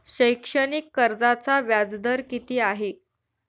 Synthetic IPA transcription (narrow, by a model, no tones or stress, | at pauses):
ɕəjkʂənikːəɾd͡zat͡saʋjad͡zd̪əɾkit̪iːaɦe